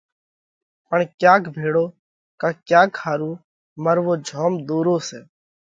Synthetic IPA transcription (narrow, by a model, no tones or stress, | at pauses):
pəɳkjaːkbʱeːɽoː | kaːkjaːkʰːaːɾuː | məɾʋoːd͡ʒʱoːmd̪uːɾõːseː